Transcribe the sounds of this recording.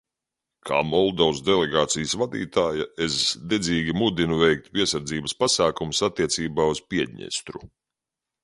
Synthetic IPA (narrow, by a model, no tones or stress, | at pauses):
kʰa̰ːmɔlˠd̪ɔwsd̪ɛlʲɛɡaːt̪sijəsvad̪ḭːt̪aːjaesd̪ɛziːɡʲimud̪inuvɛjk̚t̪̚pʲiɛsaɾd̪ziːbɐspasaːkumusat̪ːiɛt̪siːbaːuspiɛd̪ʲɲɛ̰st̪ɾu